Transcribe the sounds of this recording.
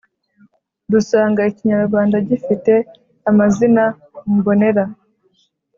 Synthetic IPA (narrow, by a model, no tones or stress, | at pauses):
dusaːŋɡaiciɲaɾɡwaːndaɟifite̞ | amazina | bo̞ne̞ɾa